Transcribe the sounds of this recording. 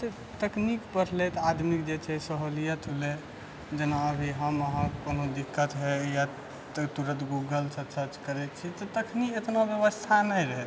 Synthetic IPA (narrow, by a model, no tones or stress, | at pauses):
t̪ə | t̪əknikpəɽ̤let̪ad̪mikd͡ʒet͡ʃʰɛsəɦolijət̪ɦole | d͡ʒənaəbʱiɦəməɦə̃konod̪ikːət̪ɦɛja | t̪uɾə̃t̪ɡuɡəlsəsəɾt͡ʃkəɾɛt̪t͡ʃʰit̪ɔt̪əkʰniet̪nabjəβəst̪ʰanəjɾəɦɛt̪